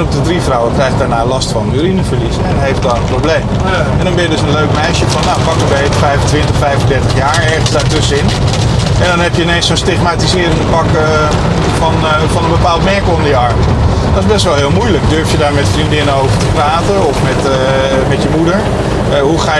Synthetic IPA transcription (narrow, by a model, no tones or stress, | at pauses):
nɔp̚dədrifrɔwəkrɛjxt̚daːɹnaːlɑstfɑnyɾinəfəɹlisɛnɦejft̚dɔənprowbleːm | ɛndɔnbɪjədøsənløɥkmɛjʃjəfɔnaːpɑk̚ənʋefəfɛjvəntʋɪntəχfɛjfəndɛɹtəχjaːɹɛɹχənzdaːɹtɵsəɪn | ɛndɔnɦɛpjəɪnensɔnstɪχmaːtizɪːɾɪŋdəpɑk | fɔn | fɑnənbəpaːlˠtmɛɹkəlˠɔmdiɑɹmə | dɔtɪzbɛs̬tʋɛlˠɦɪːlˠmujləkdøɹftjədaːɹmɛtfrindɪnəowvəɹtəpraːtəɔfmɛt | mɛtjəmudəɹ | ɦuχaː